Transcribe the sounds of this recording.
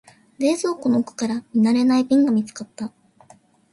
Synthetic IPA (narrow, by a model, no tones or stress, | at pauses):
ɾe̞ːzo̞ːkono̞kɯ̟̥kaɾamʲinaɾe̞naibʲĩŋɡamʲit͡sɨ̥kat̪ːa